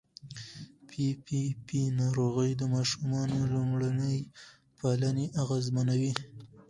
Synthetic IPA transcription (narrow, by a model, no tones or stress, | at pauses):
pʰipipinɑɾoɣəjd̪əmɑʃumɑnolumɽanəj | pʰalaneʔaɣazmanawi